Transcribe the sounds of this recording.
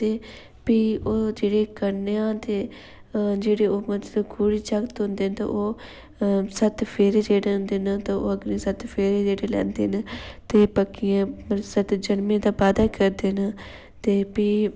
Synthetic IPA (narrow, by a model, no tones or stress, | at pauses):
t̪eː | piːoːd͡ʒeːɽeːkənãːt̪eː | d͡ʒeːɽeːoːmət̪ləɡuːɽiːt͡ʃəɡt̪ɦõnd̪eːnt̪a̰ːʔoː | sət̪pʰeːɾeːd͡ʒeːɽeːʊ̃nd̪eːnət̪aːo̰ːəɡneːsət̪pʰeːɾeːd͡ʒeːɽeːlɛ̰̃ːnd̪eːnt̪eːpəkːɪjãːsət̪d͡ʒənmẽːd̪aːbaːd̪aːkəɾd̪eːnə | t̪eːpiː